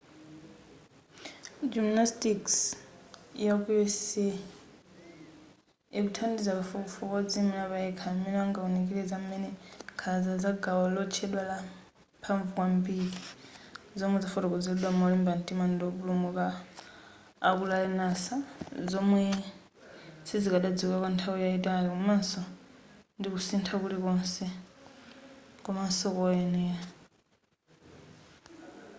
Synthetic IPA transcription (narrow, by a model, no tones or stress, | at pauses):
d͡ʒimnastiks | jakuɛsɛ | ikutʰandizakafɔkufɔkɔd͡zimɛnaβajɛkʰamɛnɛaŋɡaunikilɛzamɛnɛkʰazazaɡawɔlɔt͡ʃʰɛɗwala | pʰaɱvuwambiɾi | zɔmwɛzafɔtɔkɔd͡zilɗwamalimbantʼimandiɔβulumuka | kulalɛnasazɔmwɛ | sizikaɗad͡zikakwantʰawijaitalikɔmansɔ | ndikusintʰakulikɔnsɛ | kɔmansɔkɔɛnɛa